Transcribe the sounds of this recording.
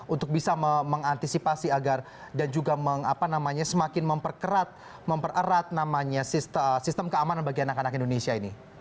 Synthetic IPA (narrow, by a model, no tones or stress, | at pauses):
unt̪ʊk̚bisaməməŋant̪isipasiaɡar | dand͡ʒuɡaməŋapanamaɲasəmakɪnməmpərkəɾat̪̚ | məmpərəɾat̪̚namaɲasist̪əsist̪əmkəamananbaɡianakanakindonesiaini